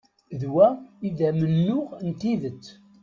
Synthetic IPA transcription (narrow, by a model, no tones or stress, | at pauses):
ðwæiðæmənːʊʁnt̪iðət͡sː